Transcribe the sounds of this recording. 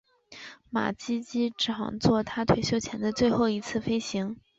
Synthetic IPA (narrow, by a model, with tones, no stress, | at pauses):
ma̰˨˩t͡ɕi˥t͡ɕi˥ʈ͡ʂʰɑ̰˨˩ŋt͡swɔ˥˩t̪ʰa˥t̪ʰwe˧˥ɪɕjo˥ʊt͡ɕʰjɛ˧˥nd̪ə˧t͡swe˥˧ɪxo˥˩ʊi˧˥t͡sʰɹ̩˥˩fe˥ɪɕi˧˥ŋ